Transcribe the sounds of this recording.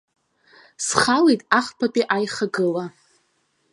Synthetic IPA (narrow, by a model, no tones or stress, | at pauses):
sχalejtʼaχpʰapʼiʔajχaɡɨla